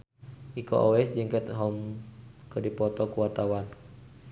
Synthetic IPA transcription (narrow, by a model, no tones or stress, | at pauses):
ʔiko̰ʔɔɛsd͡ʒəŋkɛt̪ɦɔmkədipɔt̪ɔkuwart̪awan